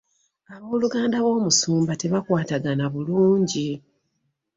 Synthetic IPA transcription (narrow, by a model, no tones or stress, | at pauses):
aβo̞ːluɡaːndaβo̞ːmusuːmbate̞βakwaːtaɡanaβuluːɲɟi